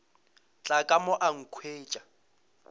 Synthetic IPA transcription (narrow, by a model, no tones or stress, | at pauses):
t͡ɬʼakʼamɔʔaŋ̩kʰweːt͡ʃʼḁ